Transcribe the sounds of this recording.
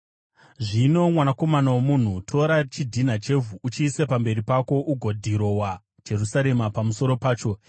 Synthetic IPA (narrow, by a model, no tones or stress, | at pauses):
ʐino̞mwanako̞manawomun̤utʰo̞ɾat͡ʃidʱinat͡ʃe̞vuʔut͡ʃiːsepambe̞ɾipako̞ʔuɡʱo̞dʱiɾo̞wa | d͡ʒe̞ɾusaɾe̞mapamuso̞ɾo̞paːt͡ʃo̞